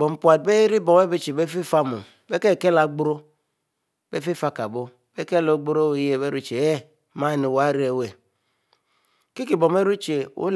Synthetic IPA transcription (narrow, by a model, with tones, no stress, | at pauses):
bɔ˨m˨pʷa˨t̚be˦e˦ɾi˦bɔ˨we˦be˦t͡ʃe˨be˦fi˦fa˦mo̰˨ | be˦ke˦˨ke˦la˨˦ɡ͡bu˦ɾo˦ | be˦fi˦fa˦ka˨bo˦ | be˦ke˦lo˦ɡ͡bu˦ɾo˦o˨˦je˨be˦ɾu˦t͡ʃe˨e˦ | ma˦˨ni˨wa˦ɾi˦e˨we˨ | ki˦ki˨bɔ˨me˦ɾu˦t͡ʃe˨ṵ˦l